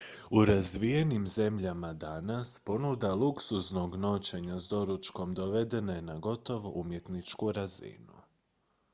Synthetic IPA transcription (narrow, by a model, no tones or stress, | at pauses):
uɾazʋije̞nimze̞mʎamad̪anaspo̞nud̪aluksuzno̞ɡno̞t͡ʃe̞ɲazd̪o̞ɾut͡ʃko̞md̪o̞ʋe̞d̪e̞nenaɡo̞t̪o̞ʋoʔumje̞t̪nit͡ʃkuɾazḭnṵ